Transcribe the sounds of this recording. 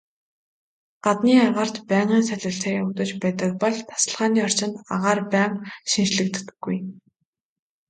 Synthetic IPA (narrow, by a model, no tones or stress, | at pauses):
ɢ̥at̪niːaʁaːr̥t̪pæːɴʁiːnsæɮʲʊ̆ɬt̪ʰeːut̪ɵ̆t͡ɕpæːt̪ə̆k̚pɔɮt̪ʰḁsə̆ɮʁaːniːɔr̥t͡ɕɪ̆nt̪a̰ʁaːrpæːɴʃint͡ɕɮɘ̆kt̪ɡːuj